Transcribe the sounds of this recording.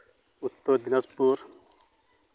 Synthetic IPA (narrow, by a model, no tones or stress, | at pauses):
ut̪ːod̪inɐspuːɾ